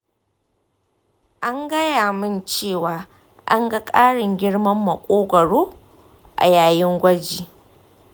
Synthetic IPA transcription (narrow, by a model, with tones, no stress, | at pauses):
ʔa˦ŋɡɐ˦jaː˨mɪ˦nt͡ʃeː˦˨waː˨ | ʔa̰˦ŋɡɐ˦kʼaː˦ɽɪ˨ŋɡʲɪ˦ɽmɐ˦mːɐ˨kʷʼoː˦ɡʷɐ˨ɽoː˦ | ʔa̰˨jaː˨jɪ˦ŋɡʷɐ˦d͡ʒiː˨